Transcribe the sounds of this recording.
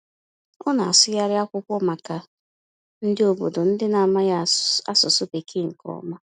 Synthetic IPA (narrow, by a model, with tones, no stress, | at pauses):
ɔ˦na˨a̰˨sʊ˦ja˦ɾɪ˦a˦kʷʊ˦kʷɔ˦ma˨ka˨ | n̩˦dɪ˦o˨bo˨do˨n̩˦dɪ˦na˨ma˦ja˦a˦sʊ˨sʊ˦pe˨kʰe˦ŋ̩˨kɔ̰˨˦ma˦